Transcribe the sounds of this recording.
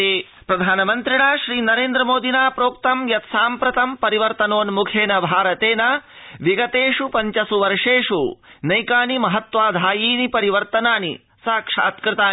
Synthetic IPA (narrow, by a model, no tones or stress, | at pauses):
eː | pɾɐd̪ʱaːnɐmɐnt̪ɾiɳaːʃɾiːnɐɾeːnd̪ɾɐmoːd̪ʱinaːpɾoːkt̪ɐmjɐt̪saːmpɾɐt̪ɐmpɐɾiʋɐɾt̪ɐnoːnmukʰeːnɐbʱaːɾɐt̪eːna | ʋiɡɐt̪eːʂupɐɲt͡ʃɐsuʋɐɾʂeːʂunɐjkaːnimɐɦɐt̪ʋaːd̪ʱaːjiːnipɐɾiʋɐɾt̪ɐnaːnḭ | saːkʂɐ̰ɐt̪kɾɪt̪aː